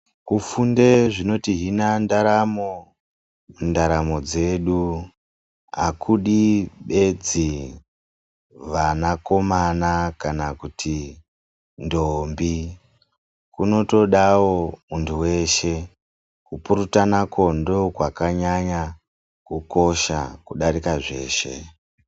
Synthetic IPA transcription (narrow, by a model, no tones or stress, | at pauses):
kufunde̞ʐino̞tiɦinandaɾamo | mundaɾamo̞d͡ze̞ɗu | ɦa̰kʰuɗiɓe̞d͡zi | ʋanako̞manakanakutʰi | ndombi | kuno̞to̞ɗawomuntʰuwe̞ʃe̞ | kupuɾutanakʰo̞ndo̞kwakaɲaɲa | kuko̞ʃa̰kuɗaɾikaʐe̞ːʃe̞̰